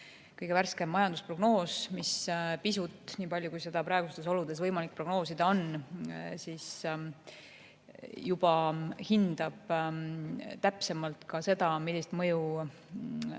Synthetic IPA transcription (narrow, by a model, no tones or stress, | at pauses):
kɤjɡevæɾskemːɑjɑnd̪uspro̞ɡno̞ːsmispisut̪ˑniːpɑlʲjukujse̞d̪̥ɑpɾɑeɡust̪eso̞lud̪̥e̞svɤjmɑlik̚ːpro̞ɡ̥no̞ːsid̪̥ɑo̞n | siːs | jub̥ɑhind̪̥ɑb̥ | t̪æpse̞mɑlt̪kɑse̞d̪̥ɑmilʲːist̪mɤju